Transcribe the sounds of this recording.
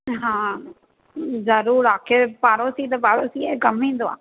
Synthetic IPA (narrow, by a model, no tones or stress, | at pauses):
ɦãː | zəɾuːɾaːkʰeːpaːɾoːsiːt̪epaːɽoːsiːekəmĩːnd̪oːa̰ː